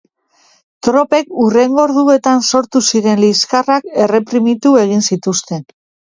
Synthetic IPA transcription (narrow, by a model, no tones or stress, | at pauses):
t̪ɾo̞pe̞kure̞ŋɡo̞ɾðue̞t̪anso̞ɾt̪usiɾe̞nliskarake̞re̞pɾimit̪ue̞ɣ̞insit̪ust̪e̞n